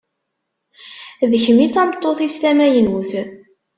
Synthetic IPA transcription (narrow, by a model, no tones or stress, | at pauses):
ðəçəmit͡sːɑmət̪ˤːoθist̪æmæjənwuθ